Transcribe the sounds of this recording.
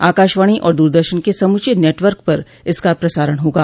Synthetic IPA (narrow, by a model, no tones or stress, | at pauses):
aːkaːʃʋaːɽ̃iʔɔ̰ːɾd̪uːɾd̪əɾʃənkesɐmʊt͡ʃineːʈʋəɾk̚pɐɾ | ɪskapɾɐsaːɾəɽ̃ɦoːɡaː